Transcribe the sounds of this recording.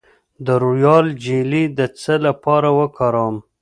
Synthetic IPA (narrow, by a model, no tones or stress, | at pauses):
d̪əɾujɑld͡ʒelid̪ət͡səlapɑɾawəkɑɾɑm